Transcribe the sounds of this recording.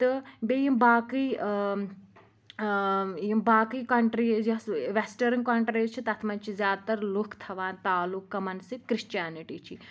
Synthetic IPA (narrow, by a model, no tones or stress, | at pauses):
t̪ɨbejimbaːkij | jimbaːkikɐɳʈɾid͡ʒɐsʋesʈɐɾɨnkɐɳʈɾiːt͡ʃʰit̪ɐt̪ʰmɐnt͡ʃʰizjaːd̪̚t̪ɐɾlukʰt̪ʰɐʋaːnt̪aːlukːɐmɐnsikɾiʃt͡ʃaːniʈiːt͡ʃʰi